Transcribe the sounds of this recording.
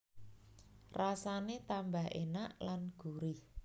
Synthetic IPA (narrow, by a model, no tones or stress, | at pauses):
rasanet̪ambaɦʔḛnaʔlanɡ̥uɾɪh